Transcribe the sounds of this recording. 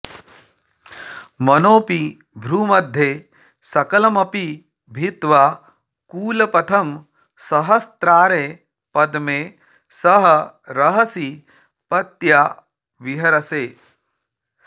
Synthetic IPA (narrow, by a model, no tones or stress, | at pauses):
mɐnoːpi | bʱɾuːmɐd̪ʱje | sɐkɐlɐmɐpi | bʱit̪ʋa | kuːlɐpɐt̪ʰɐm | sɐɦɐst̪ɾaːɾeː | pɐd̪meː | sɐɦɐ̆ɾɐɦɐsi | pɐt̪ja | ʋiɦɐɾɐseː